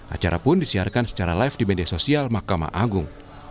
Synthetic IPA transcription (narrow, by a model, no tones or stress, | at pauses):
ʔa̰t͡ʃaɾa̰pʊndisiarkansə̥t͡ʃaɾalaɪfdimediasosialmahkama̰ʔaɡʊŋ